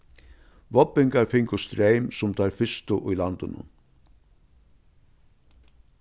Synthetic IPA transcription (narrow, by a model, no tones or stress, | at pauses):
ʋɔpːɪŋkaɾfɪŋkʊ̥st̪ɾejmsʊmt̪ʰaɾfɪst̪ʊʔʊjlant̪ɪnʊ̰n